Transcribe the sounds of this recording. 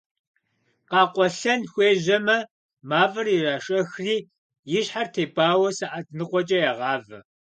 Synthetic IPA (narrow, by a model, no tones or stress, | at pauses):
qɑːqʷɔɬɐnxʷeːʑɐmɐ | maːvɐriraːʂʼɐxriː | jɪɕħartʰeːbaːwɐsɐʔatʰnɨqʷʼɔt͡ʃʼɐjaʁɑːvɐ